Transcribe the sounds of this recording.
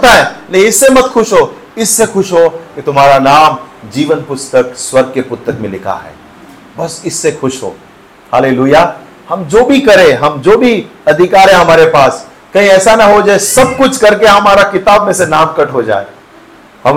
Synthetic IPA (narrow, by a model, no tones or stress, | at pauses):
t̪aɦɛ̃leɪsːemɐt̪xʊʃɦo | ɪsːexʊʃɦoket̪ʊmaːɾanaːmd͡ʒiːʋənpʊst̪əkswɐɾɡ̚kepʊt̪ːəkmẽlɪkʰa̰ɦɛ̰ː | bɐsɪsːexʊʃɦo̰ː | haːleːluːjaː | hɐmd͡ʒoːbʱikɐɾẽɦɐmd͡ʒoːbʱiɐd̪ʱɪkaːɾɦẽɦɐmaːɾepaːs | kɐɦĩɛːsanɐɦod͡ʒaːesɐb̚kʊt͡ʃʰkɐɾkeɦɐmaːɾakɪt̪aːbmẽsenaːmkɐʈʰɦod͡ʒa̰ːḛː | hɐ